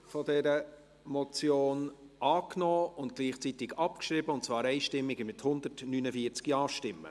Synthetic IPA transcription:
fɔdɛɾə | mɔt͡sjoːnʔɑːknɔːʊnt̚ɡ̥liːχt͡sit̪ɪɡɑpkʃɾibəʊntt͡svɑːɾɛɪʃtɪmːɪɡəmɪthʊnd̪ətnynəfiəɾt͡skiɑːʃtɪmːə̰

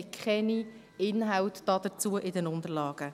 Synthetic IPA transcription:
kχɛni | ɪnɦawt̪d̥ɑːd̥̪ət͡suːəʔɪdɛnʊnd̪əɾlɑːɡ̥ə

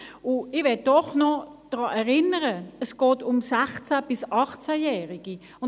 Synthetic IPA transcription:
ʊɪvɛd̥ɔχnɔd̥ʁɑːʔɛʁɪnəʁəəsɡ̥ɔːtʊmsæχt͡sab̥ɪsɑχt͡sæjɛːʁɪɡ̥i | ʊn

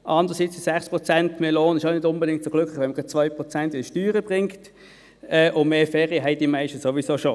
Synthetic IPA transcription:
ʔɑndəʁəsit͡sisɛχspʁɔt͡sɛntmeloːnəɪʃaʊnɪdʊnbɛdɪŋk̚tt͡soɡlʏkχlɪχʋɛnməɡʁɑ̥t͡sʋaɪpʁɔt͡sɛntɪnʃtyːʁəb̥ʁɪŋkt | ɛʔʊmeːfɛːʁiəɦɛɪd̥imaɪʃtəsoʋisoʃo

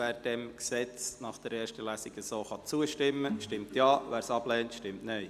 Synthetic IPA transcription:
æːɾd̥ɛmksɛt͡snɑχd̥ɛɾɛːʃtəlæːsiɡəsoːχɑt͡suəʃtɪmːəʃtɪmtjɑːʋæːɾsɑblɛːntʃtɪmtnœj

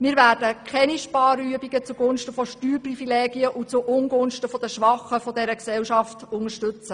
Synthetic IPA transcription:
miːɾʋæːɾdəkχɛniʃpɑːryəbiɡət͡suɡʊnʃtəfɔʃtyːɾprifileːɡiəʔut͡suʔʊnɡʊnʃtəfɔd̥əʃʋɑχəfɔdɛɾəksɛwʃɑftʊŋəʃtʉt͡sə

